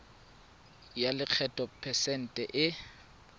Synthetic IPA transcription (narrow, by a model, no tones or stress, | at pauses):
jalɪq͡χʰɛtʼɔpʰɛsɛn̩tʼɛʔɪ